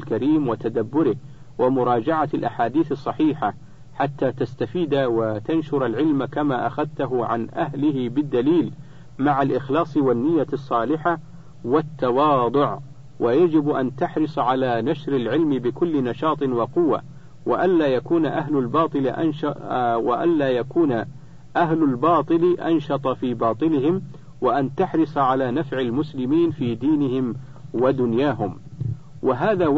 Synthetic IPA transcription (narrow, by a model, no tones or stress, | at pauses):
lkaɾiːmwɪt̪ad̪abːʊɾɪh | wɪmʊɾˤɑːd͡ʒaʕalʔaħaːd̪iːθɨsˤːɑħiːħa | ħat̪ːaːt̪ast̪afiːd̪awat̪anʃʊɾalʕɪlmkamaːʔaxaðt̪aɦʊʕanʔaɦlɪhɪbɪd̪ːaliːl | maʕalʔɪxlɑːsˤwanːɪjːasˤːɑːlɪħa | wɪt̪ːɑwɑːd̪ˤʊʕ | wʔajad͡ʒɪbʔant̪aħɾɨsˤʕalaːnaʃɾɪlʕɪlmbɪkʊlːnaʃɑːt̪ˤɨnwɑqʊwːa̰ | waʔanlaːjakuːnʔaɦlalbɑːt̪ˤɨlʔ | waʔa̰nlaːjakuːna | ʔaɦlalbɑːt̪ˤɨlʔa̰nʃɑt̪ˤɑfiːbɑːt̪ˤɨlɪɦɪm | waʔant̪aħɾɨsˤʕalaːnafʕalmʊslɪmiːnfiːd̪iːnɪhɪm | wad̪ʊnjaːɦʊm | waɦaːðaː